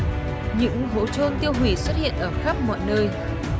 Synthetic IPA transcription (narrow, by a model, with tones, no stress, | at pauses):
ɲɨ̰˧˥ŋɦo̰˧˥t͡ɕo˧nt̪i˧əwɦi˧˩swə˦˥t̚hḭ˧˨ənʔəː˧˩xaː˦˥p̚mɔ̰˧˨jnəː˧j